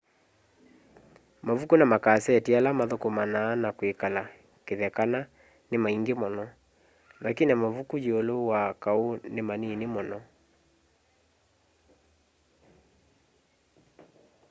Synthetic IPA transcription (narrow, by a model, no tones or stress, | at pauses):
mavukunamakasɛtialamaðokomanaːnakwekala | keðɛkana | nemaiŋɡemɔnɔ | lakinamavukud͡ʒiolowakaonemaninemɔnɔ